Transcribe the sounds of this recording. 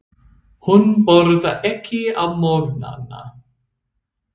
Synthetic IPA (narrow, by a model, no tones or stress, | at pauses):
hʊnbɔɾðaʔɛkʰiamɔɾna̰na̰